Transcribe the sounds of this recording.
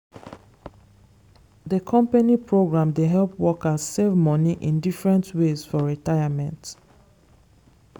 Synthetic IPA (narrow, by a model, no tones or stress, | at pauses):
dəkʰɔ̃mpanipʰɹoɡɹãmdeɦɛlpwɔkaz̥sevmɔniʔĩndifɹɛ̃ntwezfɔɹitaɪamɛ̃nt